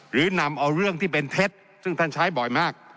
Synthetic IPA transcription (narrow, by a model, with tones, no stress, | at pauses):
ɾɯː˩˦na˧mʔa˧wɾɯ˥˩əŋt̪ʰiː˥˩pe˧nt̪ʰe˦˥t̪̚ | sɯ˥˩ŋt̪ʰa˥˩nt͡ɕʰa˦˥jbɔ˨˩jmaː˥˩k̚